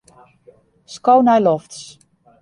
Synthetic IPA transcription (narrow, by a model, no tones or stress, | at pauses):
skownajlɔfts